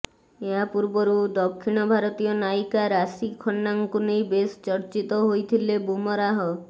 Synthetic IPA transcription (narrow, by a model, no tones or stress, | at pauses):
eɦapuɾbɔɾud̪ɔkʰːiɽ̃ɔbʱaɾɔt̪ijɔnajkaɾasikʰɔnːaŋkunejbest͡ʃɔɾt͡ʃit̪ɔɦojt̪ʰilebumɔɾaɦɔ